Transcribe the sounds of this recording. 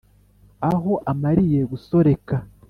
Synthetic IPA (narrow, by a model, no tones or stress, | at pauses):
aɦo̞ʔamaɾije̞ɡuso̞ɾe̞ka